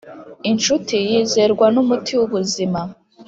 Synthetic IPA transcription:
inʃutijiːze̞ɾɡwanumutiwuβuzima

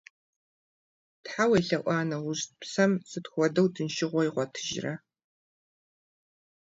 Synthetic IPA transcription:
tħawɐjɬɐʔʷɑːnɐwʊʑpsɐmsɨtxʷɔdɐwtʰɨnʃɪʁʷɔjiʁʷɔtʰɨ̥ʒrɐ

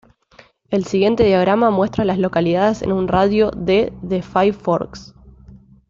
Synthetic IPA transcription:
e̞lsiɣje̞nt̪e̞ðjaɣɾamamwe̞st̪ɾalaslo̞kaliðaðese̞̰nunraðjoðeðefajfo̰ɾks

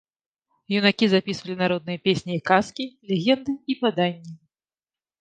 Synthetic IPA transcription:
junakʲizapʲisvɐlʲinaɾɔd̪̚nɨjɐpʲesʲnʲiːkaskʲilʲeɣʲɛnd̪ɨipad̪anʲːi

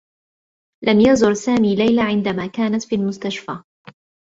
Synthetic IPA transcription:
lamjazʊɾsaːmiːlajlaʕɪnd̪amaːkaːnat̪fiːlmʊst̪aʃfaː

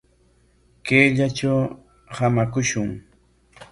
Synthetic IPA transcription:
keːʎat͡ʃaw | hamakʊʃʊŋ

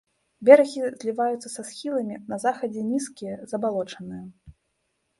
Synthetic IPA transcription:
bʲɛɾɐɣʲizʲlʲivajut̪sɐsɐsxʲilˠɐmʲinɐzaxɐd͡zʲɛnʲiskʲijɐzɐbalˠɔt͡ʂɐnɨjɐ

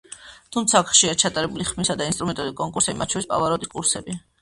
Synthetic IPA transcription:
t̪ʰumt̪sʰaːkʰχʃiat͡ʃʰat̪ʼaɾɛbuliχmisad̪ainst̪ʼɾumɛnt̪ʼɔd̪ikʼɔŋkʼuɾsɛbimat̪ʰʃʰɔɾispʼa̰vaɾɔt̪ʼikʼuɾsɛbi

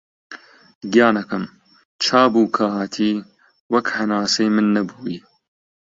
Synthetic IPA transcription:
ɡijɑːnɐkɐm | t͡ʃʰaːbuːkʰaɦaːt̪ʰiː | wɐkhɐnaːsɐjmɨnːɐbuːiː

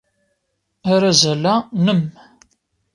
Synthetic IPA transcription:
aɾazælænəm

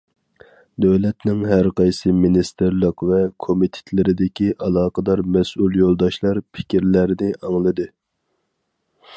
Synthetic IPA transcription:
d̪øwlɛt̪nɪŋɦæɾqʰɑjsɨminist̪ɨɾlˠəqvɛkʰomit̪ʰɪ̥t̪ʰlɪɾɪd̪ɪkʲiʔɑlˠɑːqəd̪ɑɾmɛsulˠjolˠd̪ɑʃlˠɑɾpʰɪ̥kʲiɾlæɾɪnɪʔɑŋlˠɨd̪ɨ

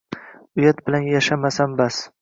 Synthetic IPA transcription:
ʊjat̪̚bɪlanjaʃamasanbas

